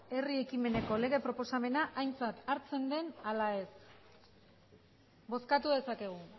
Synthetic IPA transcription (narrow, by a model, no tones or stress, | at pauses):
e̞rie̞kime̞ne̞ko̞le̞ɣ̞e̞pɾo̞po̞same̞naʔajnt͡sat̪aɾt͡se̞nd̪e̞nalae̞s | bo̞skat̪uðe̞sake̞ɣ̞u